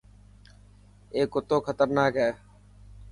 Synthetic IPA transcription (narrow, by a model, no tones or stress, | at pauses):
eːkot̪oːkʰət̪əɾnaːkɛː